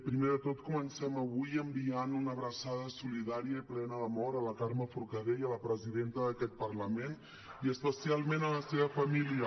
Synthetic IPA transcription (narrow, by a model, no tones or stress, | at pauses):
pɾimeðət̪ot̪kumənsɛməβujəmbianunəβɾəsaðəsuliðaɾijəiplɛnəðəmɔɾələkaɾməfuɾkəðejələpɾəziðent̪əðəkɛt̪̚pərləmen | iəspəsialˠmenələseβəfəmiliə